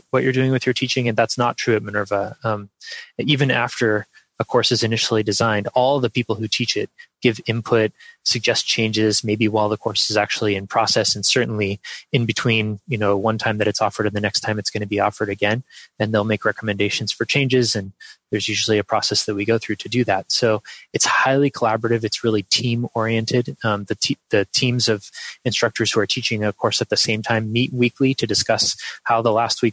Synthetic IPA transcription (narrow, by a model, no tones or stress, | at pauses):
wʌt͡ʃə˞dʉɪ̃ŋwɨðjə˞tʰit͡ʃɪ̃ŋɨ̃nðætsnətʰɹ̥ʉɨt̚mɨnɜ˞və̃mivɨ̃næ̰ftə˞ | əkʰɔɹsɨzɨnɪʃl̩ˠidɨzãɪ̃ndɔlˠðɨpipl̩ˠhʉtʰit͡ʃɪt̚ɡ̥ɪvɪ̃mpʰʊt̚sɨɡ̚d͡ʒɛst͡ʃʰẽɪ̃nd͡ʒɪzmeɪbiwaɪlˠðəkʰɔɹsɨzæk̚t͡ʃul̩ˠiɨ̃npʰɹ̥ɔsɛsn̩sɜ˞ʔn̩liɨ̃nbɨtʰw̥ĩnjɨnoʊwʌ̃ntʰãɪ̃mðɨɾɨtsɔfə˞ɾɨ̃nðɨnɛkstʰãɪ̃mɨtsɡ̥ʌñɨbiɔfə˞ɾɨɡɛ̃nɨ̃nðeɪlˠmeɪkɹɛkəmɨ̃ndeɪʃɨ̃n̩z̥fə˞t͡ʃʰẽɪ̃nd͡ʒɪzɨ̃nðə˞zjʉʒl̩ˠiɨpʰɹ̥ɔsɛsðɨt̚wiɡoʊθɹʉɾɨdɨðæt̚soʊɨtshaɪlˠikʰəlæbə˞ɨɾɨvɨtsɹɪlˠitʰĩmɔɹiɨ̃ntʰɪdðɨtʰiðɨtʰĩmzʌv̥ɨ̃nstɹ̥ʌk̚tʰə˞z̥huə˞tʰit͡ʃɪ̃ŋʌv̥kʰɔɹsɨt̪̚ðɨsẽɪ̃mtʰãɪ̃mːit̚wikʰliɾɨdɨskʌshaʊðəlæst̚wik̚